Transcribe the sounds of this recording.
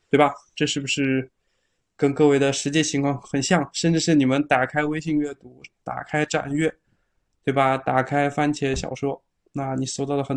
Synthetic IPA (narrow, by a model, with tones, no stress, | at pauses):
t̪we˥˩ɪbɐ˨˩ʈ͡ʂɤ˥˧ʂɻ̩˥˩bu˩ʂɻ̩˥˩ | kə˥nkɤ˥˧we˥˩ɪd̪ə˨˩ʂɻ̩˧˥t͡ɕjɛ˥˩t͡ɕʰi˧˥ŋkʰwɑ˥˩ŋxə˨˩nɕjɑ˥˩ŋʂə˥˧nʈ͡ʂɻ̩˥˧ʂɻ̩˥˩ni˨˩mə˦nt̪a˨˩kʰa˥ɪwe˥ɪɕi˥˧ŋɥɛ˥˩t̪u˧˥t̪a̰˨˩kʰa˥ɪʈ͡ʂa̰˨˩nɥɛ˥˩ | t̪we˥˩ɪbɐ˩t̪a˨˩kʰa˥ɪfa˥nt͡ɕʰjɛ˧˥ɕjɑ̰˨˩ʊʂwɔ˥ | na˥˩ni˨˩so˥˧ʊt̪ɑ˥˩ʊlə˩xə˨˩n